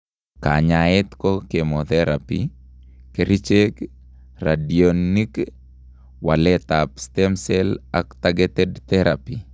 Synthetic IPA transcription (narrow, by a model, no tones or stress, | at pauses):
ka̰ɲaɛt̪kɔkemot̪ɛɾapḭ | keɾit͡ʃek | radionːik | walɛt̪apst̪ɛmsɛla̰kt̪aɡɛt̪ɛdt̪ɛɾapi